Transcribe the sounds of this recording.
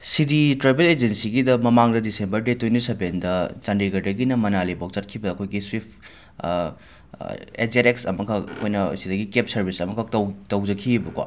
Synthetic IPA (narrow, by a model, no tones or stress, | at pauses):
siditɾajbeled͡ʒensiɡidɐmɐmaŋdɐdisembɐɾdetwejntisebendɐd͡ʒɐndiɡɐɾdɐɡinɐmɐnalibok̚t͡ʃɐɾkʰibɐːkʰojɡiswip̚ʰ | ḛzeɾeksɐmɐkʰɐkkʰojnɐsidɐɡikep̚sɐɾbʱisɐmɐkʰɐtɐtɐwd͡ʒɐkʰibɐkwa̰